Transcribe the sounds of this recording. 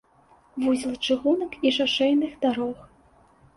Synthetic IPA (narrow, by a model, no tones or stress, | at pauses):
vuzʲilˠɐt͡ʂɨɣunɐkiʂaʂɛjnɨxd̪aɾɔx